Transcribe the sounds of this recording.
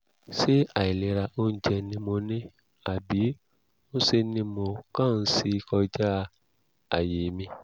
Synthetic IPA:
ʃe˦a˨i˨le˨ɾa˧o˦n̩˦d͡ʒɛ˧nĩ˧mõ˧nẽ˦ | a˨bi˨˦ | o˦se˧nĩ˧mo˧kã˦˨n̩˦si˦kɔ˧d͡ʒa˦˧ | a̰˨jeː˨˦mĩ˧

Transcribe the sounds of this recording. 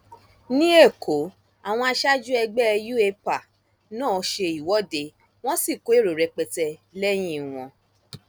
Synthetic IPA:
nĩ˦e˦˨kʰo˨˦ | a˨w̃ɔ̃˧a˧ʃa˦d͡ʒu˦ɛ˧ɡ͡bɛ˦ɛ˧ju˦e˧pa˨ | nãː˦˨˧ʃe˧i˨wɔ˨˦de˧ | w̃ɔ̃˦si˦˨ko˨˦e˦˨ɾo˨ɾɛ˨˧k͡pɛ˧tɛ˧lɛ˦j̃ĩ˦˨w̃ɔ̃˧

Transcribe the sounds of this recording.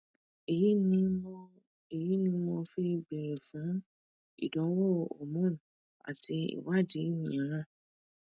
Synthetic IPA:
e˨ji˦nĩ˧˦ɔ˧ | e˨ji˦nĩ˧˦mo˧fi˧ɡ͡be˨ɾe˨fũ˨˦ | ḭ˦˨dɔ̃˨˦wɔ˦ɔ̰˨mɔ̃˦˨ | a̰˨ti˧ḭ˨wa˦di˨˦i˦jĩ˨ã˨˦ɾã˦˨

